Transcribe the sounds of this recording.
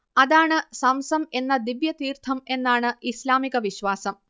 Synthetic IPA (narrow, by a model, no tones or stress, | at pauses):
ɐðaːɳɨsɐmsɐme̞nːɐd̪iʋjɐt̪iːrt̪ʰɐme̞nːaːɳɨislaːmiɣɐʋiɕʋaːsɐm